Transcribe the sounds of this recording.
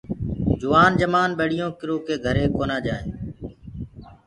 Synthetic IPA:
d͡ʒʊʋaːnd͡ʒəmaːnɓeːɽɪjõːkɪɾoːkeːɡʱəɾeːkoːnaːd͡ʒaːeː

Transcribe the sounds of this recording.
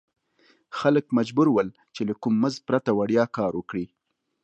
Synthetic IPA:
xaləkmad͡ʒbuɾwəl | t͡ʃelakumːəzpɾat̪awaɽjɑkɑɾwəkɽi

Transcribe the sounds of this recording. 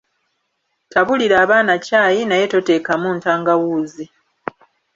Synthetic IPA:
taβuliɾaːβaːnacaːjinaje̞to̞te̞ːkamuntaːŋɡawuːzi

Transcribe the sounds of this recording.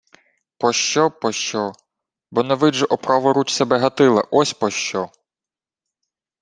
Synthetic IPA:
pɔʃt͡ʃɔpɔʃt͡ʃɔ | bɔnɛʋɪʒɛʔɔpɾɑʋɔɾut͡ʃsebɛɦɐt̪ɪlˠɐ̰ʔɔsʲpɔʃt͡ʃɔ

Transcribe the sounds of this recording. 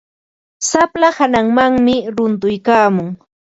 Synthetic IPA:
saplahanaŋmaŋmɪɾʊnt̪ʊjkaːmʊŋ

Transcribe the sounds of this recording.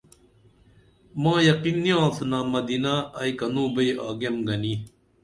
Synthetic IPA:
mãːjɐqinːijãːtnaːmɐd̪inaɐikɐnũːbɐia̰ːɡemɡɐni

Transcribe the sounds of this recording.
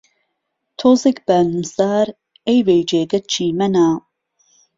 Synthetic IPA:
t̪ʰozekbaːnusaːɾ | ejvejd͡ʒeːɡɐt̪̚t͡ʃʰiːmɐnaː

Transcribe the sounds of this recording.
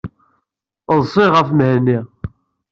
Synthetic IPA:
ðˤsˤiʁəfməhnːi

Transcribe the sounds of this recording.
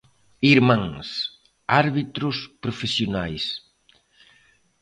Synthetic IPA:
iɾmãŋs | aɾβit̪ɾʊspɾofesjonajs

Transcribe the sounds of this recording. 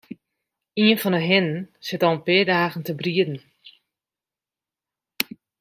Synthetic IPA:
iənfɔnəɦɪnənsɪtɔnpɪːdaːɣən̩təbriədn̩

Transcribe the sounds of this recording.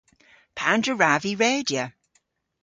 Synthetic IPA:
pʰandɹəɹaviɹeːdjə

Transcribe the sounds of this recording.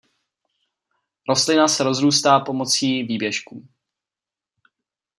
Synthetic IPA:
ɾo̞st̪lɪnasɛɾo̞zɾuːst̪aːpo̞mo̞t͡siːviːbjɛʃkuː

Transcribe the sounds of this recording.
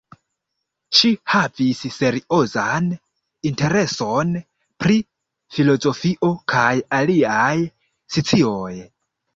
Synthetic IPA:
ʃihavisse̞ɾiʔo̞zan | inte̞ɾe̞son | pɾi | filo̞zo̞fiʔo̞kʰajaliaj | sit͡sioj

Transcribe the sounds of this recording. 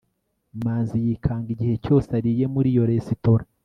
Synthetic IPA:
maːnzijikʰaːŋɡiɟihe̞co̞ːsaɾije̞muɾijo̞ɾesitoɾa

